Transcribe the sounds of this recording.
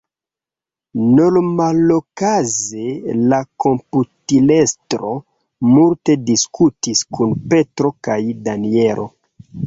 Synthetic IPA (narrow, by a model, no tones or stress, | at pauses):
nolmalokazelako̞mputile̞stɾo̞ | multe̞diskʰutiskunpe̞tɾo̞kajdanie̞ɾʔo̞̰